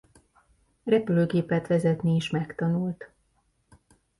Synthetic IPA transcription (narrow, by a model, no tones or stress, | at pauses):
rɛpyløːɡeːpɛt̪ʋɛzɛt̪nieːʃmɛkt̪ɒnult̪